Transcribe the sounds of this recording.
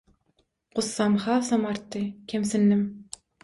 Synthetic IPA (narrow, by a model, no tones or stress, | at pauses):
qʊsːɑmχɑːsɑmɑɾt̪ːɨkʲʰemsɪnːɪm